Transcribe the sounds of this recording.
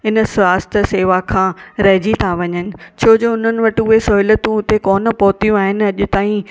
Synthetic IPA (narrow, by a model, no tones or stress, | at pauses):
ɪnə̆sʋaːst̪ʰəseːʋakʰãːɾɐɦd͡ʑit̪ʰaʋɐɲənɪ̆t͡ɕʰoːd͡ʑoːʊn̤ənɪ̆ʋɐʈɪʊɦesɔːɪlət̪ũʊt̪ekɔːnə̆pɔɦt̪ijũaːɦɪnɪ̆ɐʄʊ̆t̪aːĩ